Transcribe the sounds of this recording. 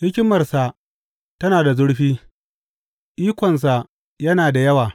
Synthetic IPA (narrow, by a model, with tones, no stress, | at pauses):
hɪ˦kʲɪ˦mɐ˨rsa˨ʔ | tɐ˦naː˨da˨zʊ˦ɽɸiː˦ | ʔiː˦kʷɔ˨ns̬a˨ʔ | jɐ˦naː˨da˨jɐ˦waː˨